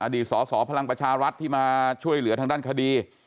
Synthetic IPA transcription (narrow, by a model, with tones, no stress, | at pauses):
ʔaː˧diː˨˩t̪̚sɔː˩˦sɔː˩˦pʰa˧la˧ŋpɾa˧t͡ɕʰaː˧ɾa˦˥t̪ʰːiː˥˩maː˧t͡ɕʰu˥˩əjlɯ˩˦ɐt̪ʰa˧ŋdaː˥˩nkʰa˧diː˧